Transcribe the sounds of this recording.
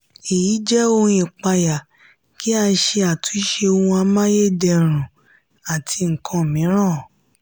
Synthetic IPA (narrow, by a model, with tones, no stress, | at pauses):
e˨ji˨˦d͡ʒɛ˦õ˧j̃ĩ˨k͡pa˧ja˨ | ki˨˦a˧ʃe˧a˨tu˨˦i˦ʃe˧o˧wũ˧a˧mã˦je˦˨dɛ˧˨ɾ̃ũ˨ | a˨tʰi˧ŋ̩˨kʰã˧˨mĩ˨˦ɾ̃ã˦˨